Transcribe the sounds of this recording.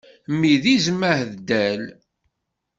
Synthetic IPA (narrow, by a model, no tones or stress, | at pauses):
mːiðizmːəhðd̪æl